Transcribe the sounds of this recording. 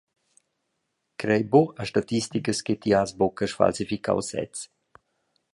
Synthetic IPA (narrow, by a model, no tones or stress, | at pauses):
kɾɛjboaʃtat̪istikəsket̪iasbokəʃfa̰lsifika̰wsɛ̰t͡s